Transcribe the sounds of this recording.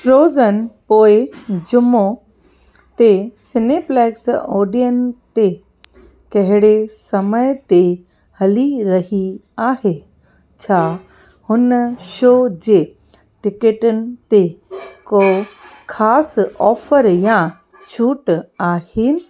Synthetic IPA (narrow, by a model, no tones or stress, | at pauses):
ɾoːzənɪ̆poːɪd͡ʑʊmo | t̪esɪneplɛːksɔːɖijənɪ̆t̪e | kɐɦɪɽesɐməjt̪e | hɐliɾɐɦiaːhe | t͡ɕʰaː | hʊnəʃoːd͡ʑeː | ʈɪkeʈʊnɪ̆t̪ekoːkʰaːsɔːfəɾjã | t͡ɕʰuːʈaːhɪnɪ̆